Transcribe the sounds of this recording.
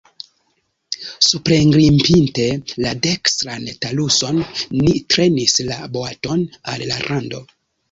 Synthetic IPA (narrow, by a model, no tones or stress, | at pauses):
supɾeŋɡɾimpinte̞ladekstɾantaluso̞nːitɾe̞nislaboato̞na̰lla̰ɾʔando̞̰